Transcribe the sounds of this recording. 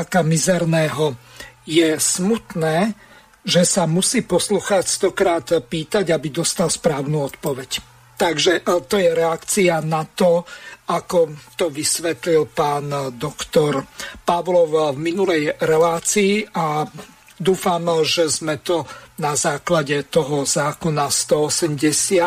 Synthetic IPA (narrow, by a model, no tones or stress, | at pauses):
kamizɛɾnɛːɦɔjɛsmut̪nɛː | ʒɛsamusiːpɔsluxast̪ɔkɾaːt̪piːt̪aɟabid̪ɔst̪alspɾaːʊnuːɔt̪pɔʋɛc | t̪aɡʒɛt̪ɔjɛɾɛakt͡sianat̪ɔʔakɔt̪ɔʋisʋɛt̪lilpaːnd̪ɔkt̪ɔɾpaʋlɔwvminulɛjɾɛlaːt͡siːʔa | d̪uːfamʒɛzmɛt̪ɔnazaːklaɟɛt̪ɔɦɔzaːkɔnast̪ɔɔsɛmɟɛsɪa